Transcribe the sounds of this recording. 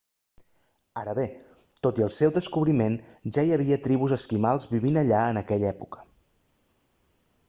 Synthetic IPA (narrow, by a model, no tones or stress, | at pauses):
aɾəβe | t̪ot̪iəlˠsɛwd̪əskuβɾimenʒaiəβ̞iət̪ɾiβuzəskimalˠzβiβ̞inəʎaənəkɛʎɛpukə̥